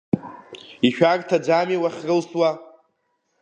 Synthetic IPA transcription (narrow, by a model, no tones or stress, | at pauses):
iʃᶣarʼtʰad͡ʒamiwaχʲrɨlswa